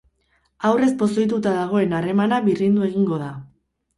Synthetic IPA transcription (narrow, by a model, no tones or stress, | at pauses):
awre̞spo̞sojt̪ut̪aðaɣ̞o̞e̞nare̞manaβirind̪ue̞ɣ̞iŋɡo̞ð̞a